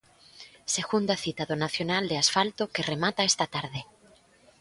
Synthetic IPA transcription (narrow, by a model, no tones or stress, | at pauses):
seɣund̪aθit̪aðonaθjonald̪easfalt̪okeremat̪aest̪at̪aɾðe